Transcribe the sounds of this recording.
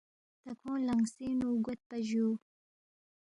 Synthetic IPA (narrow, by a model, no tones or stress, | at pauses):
t̪akʰõːlaŋsinuɡʊt̪̚paʒu